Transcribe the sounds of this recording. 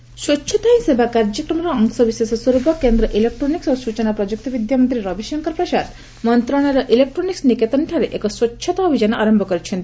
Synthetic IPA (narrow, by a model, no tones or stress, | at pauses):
swɔtːt͡ʃʰɔt̪aj̃sebʱakaɾd͡ʒɔkɾɔmɔɾɔɔŋksɔbisesɔsuɾubʱɔkend̪ɾɔʔilek̚ʈɾoniksosut͡ʃɔnapɾɔd͡ʒuk̚t̪ɔbid̪jamɔnt̪ɾiɾɔbiʃɔŋkɔɾpɾɔsad̪ | mɔnt̪ɾɔɽ̃aɾɔʔilek̚ʈɾoniksniket̪ɔnʈʰaɾeʔekɔswɔːʃʰɔt̪ɔːbʱid͡ʒanɔʔaɾɔmbʱɔkɔɾit͡ʃʰent̪i